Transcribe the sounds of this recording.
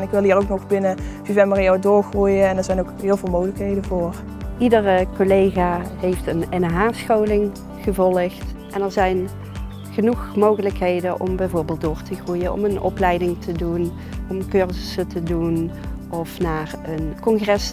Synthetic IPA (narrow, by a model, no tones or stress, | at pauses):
nɪkʋɪlˠiːrowknɔxbɪnəfivɛməriadʊːɹχrujənɛnɛɹzɛjnowkɦɪːlˠvɪːlˠmoɣələkɦejdənvʊːr | ʔidərkolejɣaːɦejftənɪnɦaːsxowlɪŋ | χəvɔləxtʔɛnɛɹzɛjn | χənuxmowɣələkɦejdənʔɔ̰mbɛjvoːɹbɪːlˠt̚d̥ʊːɹtəχrujənɔ̰mənɔ̰plɛjdɪŋtʰədun | ʔɔmkøɹzəsətədunʔɔfnaːrənkɔnχrɛs